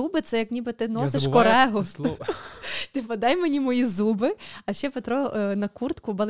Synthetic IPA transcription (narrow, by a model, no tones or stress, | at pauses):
ubɪt̪sɛjɐknʲibɪt̪ɪnɔseʃkɔɾɛɦʊ | t̪ɪpɐd̪ɑjmenʲimɔjizubɪɐʃt͡ʃɛpet̪ɾɔnɐkurt̪kʊbɐlˠ